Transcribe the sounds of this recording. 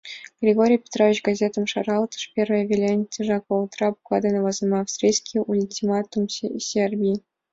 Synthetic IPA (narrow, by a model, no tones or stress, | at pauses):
ɡ̥rʲɪɡoɾʲijpʲe̥t̪rovʲɪt͡ɕɡɐzʲet̪əmʂɑɾɑlˠt̪ə̥ʂpʲervəjəvʲelʲenʲtʲɪʐɑkəut̪ɾɑpuklˠɑd̪ənəvɑzəmɑːfst̪rʲijskʲiulʲtʲimɑt̪umsʲsʲerbʲii